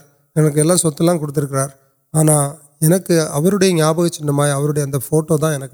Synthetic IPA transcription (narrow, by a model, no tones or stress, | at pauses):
ɛnɐk̬ːɯɛlːãːsɔt̪ːɐlãːkɔɽɯt̪ːɪɾɯk̬ːɪɾaːɾ | aːnaː | ɛnɐkːɯɐʋɐɾɯɽɐjɐɲjaːbɐɣɐt͡ʃːɪnːɐmaːjɐʋɐɾɯɽɐjɐɐnd̪ɐfoːʈːoːt̪̬ãːɛnɐkː